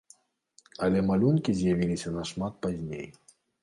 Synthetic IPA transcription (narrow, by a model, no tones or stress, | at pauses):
ɐlʲɛmalʲunkʲizʲjavʲilʲisʲɐnɐʂmat̪̚pazʲnʲḛj